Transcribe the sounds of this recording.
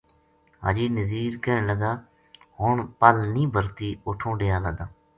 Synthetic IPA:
ɦa̰ːd͡ʒiːnəziːɾkeːɳləɡaː | hoɳpəlnĩːbʱəɾt̪iːoʈʰõːɖeːjaːləɡd̪aː

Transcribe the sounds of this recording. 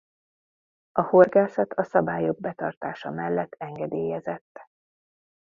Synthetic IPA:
ɒho̞rɡaːsɒt̪ʰɒsɒbaːjo̞ɡ̚bɛt̪ɒrt̪aːʃɒmɛlːɛt̪ːɛŋɡɛd̪eːjɛzɛt̪ː

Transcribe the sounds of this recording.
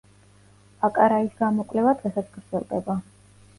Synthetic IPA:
akʼaɾaisɡamɔkʼvlɛvad̪ʁɛsat̪sʰɡ̥ɾd̪zɛ̰lˠd̪ɛba

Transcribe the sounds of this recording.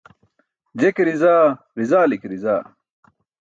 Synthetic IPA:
d͡ʑekɾizaː | ɾizaːlikɾizaː

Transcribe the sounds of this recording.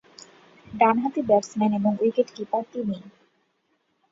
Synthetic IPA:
ɖanɦat̪ibɛɾsmɛneboŋujkeʈkip̪at̪ini

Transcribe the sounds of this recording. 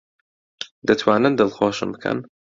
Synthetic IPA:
d̪ɐt̪ʰwaːnɨnd̪ɨlxoːʃɨ̰mbɨkʰə̰n

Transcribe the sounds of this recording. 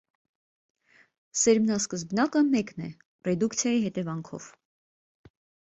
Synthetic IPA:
sɛɾmnɑskəzbnɑkəmɛknɛ | rɛd̪ukt͡sʰjɑjiɦɛt̪ɛvɑŋkʰɔ̰v̥

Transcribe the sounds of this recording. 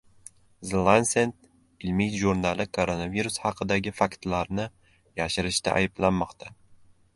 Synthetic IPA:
zlˠansent̪̚ | ɪlmijʒuɾnalˠɪkʰoɾonaviɾʊshɑqʰɨd̪aɡʲɪfakt̪laɾnɪ | jaʃɪɾɪʃt̪a̰ʔa̰jɪblanmɒqt̪ʰa

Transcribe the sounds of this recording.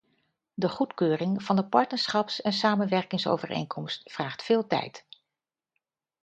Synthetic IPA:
dəχutkøːrɪŋv̥ɑndəpɑɹtnəɹsχɑpsɛnsaːmənʋɛɹkɪŋso̰wvərḛjŋkʰɔmstfraːχtfɪːlˠtɛ̰jt

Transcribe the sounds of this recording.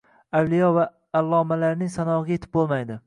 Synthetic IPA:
awlijɒvaː | lˠːɒmalaɾnɪŋsanɒɡʲaje̞t̪ʰɪp̚bolˠmajd̪ɪ

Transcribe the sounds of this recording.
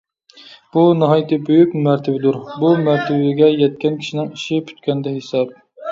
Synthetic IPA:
b̥unɑɦɑjt̪ɨbøjykʲmæɾt̪ʰɪbɪd̪uɾbumæɾt̪ʰɪbɪɡʲɛjɛt̪̚kʲʰɛnkʲʰi̥ʃinɪŋiʃipʰy̥t̪kʲɛnd̪ɛɦesɑp̚

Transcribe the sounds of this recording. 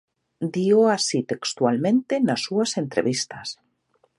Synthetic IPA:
d̪ioasit̪ekst̪walmẽnt̪enasːuasent̪ɾḛβist̪as

